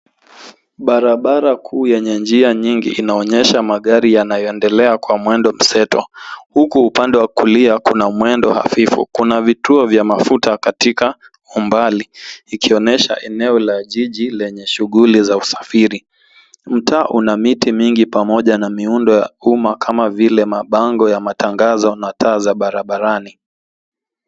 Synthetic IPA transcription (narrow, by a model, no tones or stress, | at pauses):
ɓaɾaɓaɾakʰuːjɛɲɛnd͡ʒiaɲiŋɡḭʔːnaɔɲɛʃamaɠaɾijanajɔɛndɛlɛakwamwɛndɔm̩sɛtɔ̰hukuːpandɛwakuliakunamwɛndɔha̰fifṵkunavituɔvjamafutakatika | umbaliikiɔnɛʃa̰ʔɛnɛɔlaʄiʄilɛɲɛʃuɠulizausḁfiɾi | m̩tʰaːʔunamitimiŋɡipamɔʄanamiundɔja̰umakʰamavilɛmaɓaŋɡɔjamatʰaŋɡazɔnatʰaːzaɓaɾaɓaɾani